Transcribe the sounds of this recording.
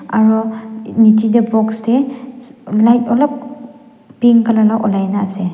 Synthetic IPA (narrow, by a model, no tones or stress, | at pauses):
aɹɔnitidɛbɔkstɛ | lajtɔlɔp̚ | piŋkalanaʔɔlajnaːsɛ